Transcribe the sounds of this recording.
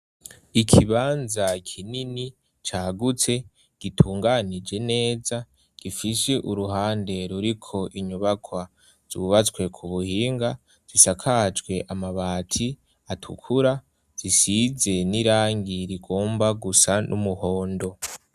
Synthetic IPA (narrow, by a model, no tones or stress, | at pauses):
ikʰiβaːnzakʰinini | t͡ʃaːɡut͡se̞ | ɡ̥itʰuːŋɡanid͡ʒe̞ne̞ːza | ɡ̥ifiseʔuɾuɦaːnde̞ɾuɾikʰo̞ʔiɲuβakʰwa | z̥ṵβat͡swe̞kʰuβuhiːŋɡa | z̥isakʰad͡ʒɡwe̞ʔamaβaːtʰi | atʰṵkʰuɾa | z̥isize̞niɾaːŋɡiɾiɡo̞ːmbaɡusanʔṵmuho̞ːndo̞